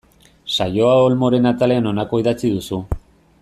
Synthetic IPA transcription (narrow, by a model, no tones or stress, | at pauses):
sajo̞aolmo̞ɾe̞nat̪ale̞ano̞nako̞iðat͡siðusu